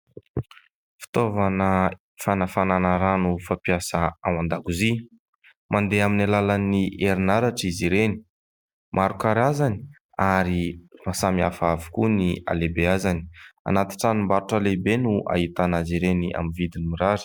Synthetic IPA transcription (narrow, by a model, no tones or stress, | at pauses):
fi̥t̪ovanə | fanafananaɾanufapiasaawand̪aɡuzi | mʔand̪eaminalalaniʔeɾinaɾaʈ͡ʂiziɾeni̥ | mʔaɾukaɾazani̥ | aɾimasamiafavu̥kunia̰lebeazani̥a̰nat̪i̥ʈ͡ʂanimbaɾuʈ͡ʂalebenuʔa̰ɦit̪anaziɾeniʔa̰mivid̪inimiɾaɾi̥